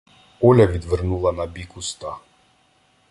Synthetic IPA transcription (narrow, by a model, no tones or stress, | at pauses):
ɔlʲavid̪vrnulˠanabikust̪a